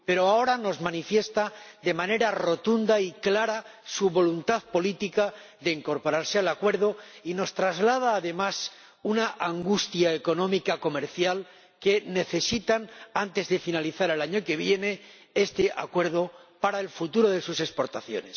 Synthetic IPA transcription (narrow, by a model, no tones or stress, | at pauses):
pe̞ɾoao̞ɾano̞zmanifje̞st̪aðe̞mane̞ɾaro̞t̪und̪aiklaɾasuβo̞lunt̪aðpo̞lit̪ika | ðe̞iŋko̞ɾpo̞ɾaɾsealakwe̞ɾð̞o̞ino̞st̪ɾazlað̞aːðe̞mas | unaʔaŋɡust̪jaeko̞nõ̞mikako̞meɾθjal | ke̞ne̞θe̞sit̪anant̪e̞zðe̞finaliθaɾe̞laɲo̞ke̞βje̞ne̞ | e̞st̪eʔa̰kwe̞ɾð̞o̞paɾaelfut̪uɾo̞ð̞e̞suse̞spo̞ɾt̪aθjo̞̰ne̞s